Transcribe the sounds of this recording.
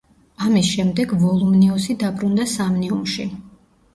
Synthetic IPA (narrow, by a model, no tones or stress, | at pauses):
amisʃɛmd̪ɛɡvɔlˠumniɔsid̪abʼɾund̪asamniumʃḭ